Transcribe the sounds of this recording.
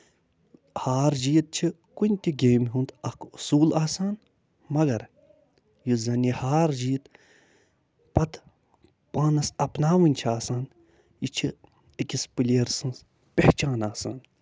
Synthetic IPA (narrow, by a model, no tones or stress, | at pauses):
haːɾd͡ʒiːt̪̚t͡ʃʰi | kunʲt̪ʲiɡʲeːmɦũnd̪ɐkusuːlaːsaːn | mɐɡɐɾ | jizɐnʲihaːɾd͡ʒiːt̪ | pɐt̪ | paːnɐsɐpnaːʋɨnʲt͡ʃʰiaːsaːn | jit͡ʃʰi | ikʲispɨlʲiɾsɨ̃ns | pʲeht͡ʃaːnaːsa̰ːn